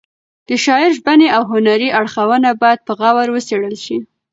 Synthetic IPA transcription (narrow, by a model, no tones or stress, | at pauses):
d̪̥əʃɑɪɾʒbaneawɦʊnaɾiʔaɽxawənabɑjad̪̚pəɣawaɾwəseɽəlʃi